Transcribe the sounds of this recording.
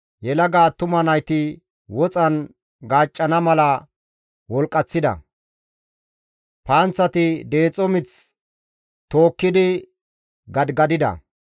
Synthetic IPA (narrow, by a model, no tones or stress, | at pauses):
jɛlɐɡaːt̪ːʊmɐnɐjt̪ɪ | wɔt͡sʼɐn | ɡaːt͡ʃʼːɐnɐmɐlɐ | wɔlkʼːɐt͡sːɪd̪ɐ̰ | paːnt͡sːɐt̪ɪd̪eːt͡sʼɔmɪt͡s | t̪o̞ːkːɪd̪ɪ | ɡɐd̪ɡɐd̪ɪd̪ɐ̰